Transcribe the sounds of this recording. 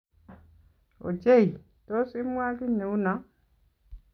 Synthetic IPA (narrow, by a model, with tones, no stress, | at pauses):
o̰˨d͡ʒe˦˨i˨ | to˦si˦mwa˦ki˦ne˨u˦na˨˦